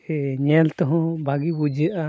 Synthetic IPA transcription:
ɛɲɛlt̪ɔɦɔ̃bʱaɡibud͡ʒəʔa

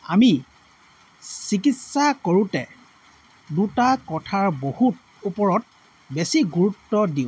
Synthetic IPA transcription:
a̰mi | sikitsakoɹutɛ | dutakɔtʰaɹbohut̚ | upɔɹɔt̚ | besiɡuɹutːɔdiʊ̃

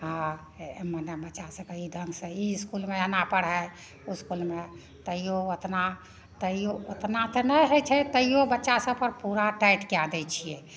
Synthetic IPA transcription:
ɦã | mənebətːʃasə̃kəid̪ʱəŋɡsə̃iskulmeənapəɽɦɛ | uskulme | t̪əijoot̪na | t̪əijoot̪nat̪ənɛɦɛt͡ʃʰɛt̪əijobətːʃasə̃pəɾpuɾaʈajʈkead̪ɛt͡ʃʰijɛ

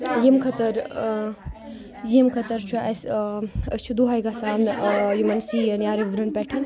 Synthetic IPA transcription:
jimkʰɐt̪ɐɾ | jimkʰɐt̪ɐɾt͡ʃʰuɐsɐsʲt͡ʃʰud̪uɦaːjɡasaːnjumɐnsiːɐnjaːɾiʋuɾɐnpɛːʈʰɐn

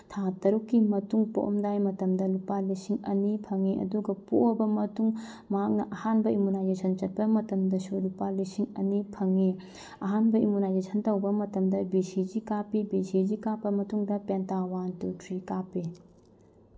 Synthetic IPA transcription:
tʰatɐɾukːimɐtuŋpo̰ʔmdajmɐtɐmdɐlupalisiŋɐ̰nipʰɐŋeʔɐ̰duɡɐpoɐbɐmɐtuŋ | mɐɦak̚nɐʔɐhanbɐʔimunajzesʰɐnt͡ʃɐt̚pɐmɐtɐmdɐsulupalisiŋɐnipʰɐŋe | ɐɦanbɐimunajzesɐntɐwbɐmɐtɐmdɐbisid͡ʒikapibisid͡ʒikapːɐmɐtuŋdɐpentawantutʰɾikapi

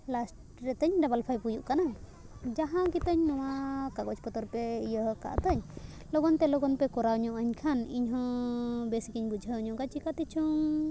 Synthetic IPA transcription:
lasʈ | ɾɛt̪əɲɖabalpʰajpujuʔkana | d͡ʒaɦãɡit̪əɲnɔ̃w̃akaɡɔt͡ʃpɔt̪ɔɾpɛijəɦka̰ʔt̪əɲ | lɔɡɔnt̪ɛlɔɡɔnpɛkɔɾauɲɔʔəɲkʰanḭɲɦɔ̃besikiɲbud͡ʒʱəːɲɔ̃ʔkat͡ʃikat̪it͡ʃʰuŋ

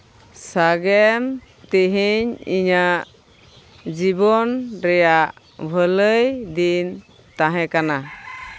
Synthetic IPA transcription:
saɡɛm | t̪iɦiɲḭɲaʔ | d͡ʒibɔnɾɛjaʔ | bʱələjd̪in | t̪ãɦɛ̃kana

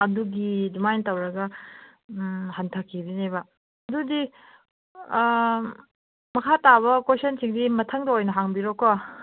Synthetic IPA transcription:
ɐduɡidumajntɐwɾɐɡɐ | hantʰakʰːibinebɐ | ɐdudi | mɐkʰataβɐkwesɐnsiŋdimɐtʰɐŋdɐojnɐɦaŋbiɾokːa

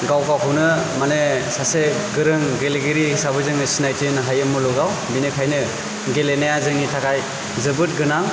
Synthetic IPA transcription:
ɡawkawɦɯwnɯmanesaseɡɯɾɯŋɡeleɡɯɾisabɯzɯŋnɯsinajtinɦajɯmulɔɡawbinekʰajnɯ | ɡelenajazɯŋnitʰakaj | zɯbɯt̚ɡɯnaŋ

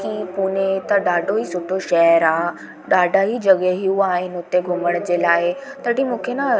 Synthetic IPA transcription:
kipuːnet̪ɐɗaːɖʱoiːsʊʈʰoʃɐɦəɾaː | ɗaːɖʱaːid͡ʑɐɠeɦijuaːɦɪnɪ̆ʊt̪eɡʱʊməɽ̃d͡ʑeːlaːɪt̪ɐʈimũːkʰena

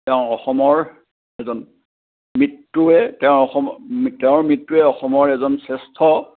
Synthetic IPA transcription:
tɛʊ̃ɔxɔmɔɹ | ɛzɔn | mɹitːuɛtɛʊ̃ɹɔxɔmtɛʊ̃ɹmɹitːuɛɔxɔmɔɹɛzɔnsɛstʰɔ

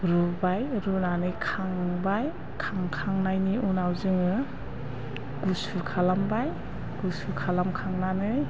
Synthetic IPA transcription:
ɾubajɾunanɯjkʰaŋbaj | kʰaŋkʰaŋnajniunawzɯŋɯ | ɡ̥usukʰalambaj | ɡ̥usukʰalamkʰaŋnanɯj

